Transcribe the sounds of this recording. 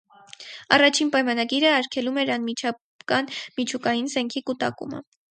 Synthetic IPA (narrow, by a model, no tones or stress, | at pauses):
ɑ̰rɑt͡ʃʰinpɑjmɑnɑɡiɾəɑɾkʰɛlumɛɾɑnmit͡ʃʰɑ | kɑnmit͡ʃʰukɑjinzɛŋkʰikut̪ɑ̰kṵmə̰